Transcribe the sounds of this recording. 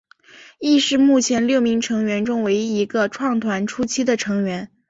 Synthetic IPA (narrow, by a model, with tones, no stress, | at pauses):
i˥˧ʂɻ̩˥˧mu˥˩t͡ɕʰjɛ˧˥nljo˥˩ʊmi˧˥ŋʈ͡ʂʰɤ˧˥ŋɥɛ˧˥nʈ͡ʂʊ˥ŋwe˧˥ɪi˧˥ɡə˧ʈ͡ʂʰwɑ˥˩ŋt̪ʰwa˧˥nʈ͡ʂʰu˥t͡ɕʰi˥d̪ə˨ʈ͡ʂʰɤ˧˥ŋɥɛ˧˥n